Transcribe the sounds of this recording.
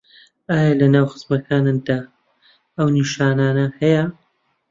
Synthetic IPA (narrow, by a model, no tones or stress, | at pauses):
aːjɐlɐnaːwxɨ̥zmɐkʰaːnɨmd̪aː | ɐwniʃaːnaːnɐhɐjɐ